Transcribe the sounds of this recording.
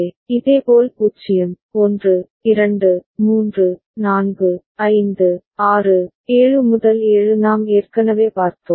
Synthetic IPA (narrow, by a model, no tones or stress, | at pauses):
ɪðeːpoːlkuːt͡ʃːɪjɯm | ɔndrɯ | ɪɾɐɳɖɯmuːndrɯ | naːnɡɯ | ɐɪnd̪ɯ | aːrɯ | eːɻɯmʊðɐleːɻɯnaːmeːrkɐnɐʋeːpaːɾt̪ːoːm